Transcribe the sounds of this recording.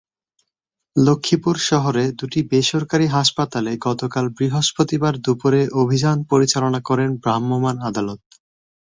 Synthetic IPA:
lokʰːipuɾʃɔɦoɾed̪uʈibeʃoɾkaɾiɦaʃpat̪aleɡɔt̪okalbɾiɦoʃpot̪ibaɾd̪upoɾeʔobʱid͡ʑanpoɾit͡ɕalonakɔɾenbɾamːomanad̪alot̪̚

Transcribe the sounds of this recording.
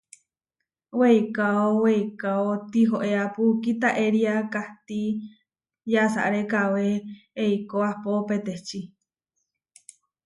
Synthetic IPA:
weikaoweikaot̪iɦoʔeapukit̪aʔeɾiakaht̪i | jasa̰ʔɾekaweːikoahpopet̪eht͡ʃi

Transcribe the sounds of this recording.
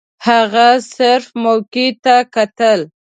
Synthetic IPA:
haɣasɪɾfmawkit̪akat̪əl

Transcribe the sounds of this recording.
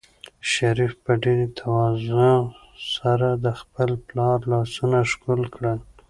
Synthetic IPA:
ʃaɾifpəɖeɾet̪ʰawɑzʊ | saɾad̪əxpəlplɑɾlɑsunaʃkulkɽəl

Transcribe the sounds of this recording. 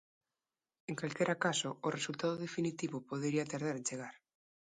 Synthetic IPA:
eŋkalkeɾakasʊːresult̪aðoðefinit̪iβopoðeɾiat̪aɾð̞aɾent͡ʃeɣaɾ

